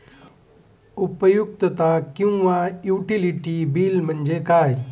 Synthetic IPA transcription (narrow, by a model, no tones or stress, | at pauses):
upəjuk̚t̪ət̪akjũʋajuːʈiliʈibiːlmɐnd͡ʒekaːj